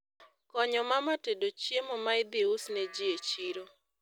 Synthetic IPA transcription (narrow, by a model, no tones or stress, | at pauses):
kɔɲɔmamatedot͡ʃjemɔmaɪd̪ɪusned͡ʒiet͡ʃiɾo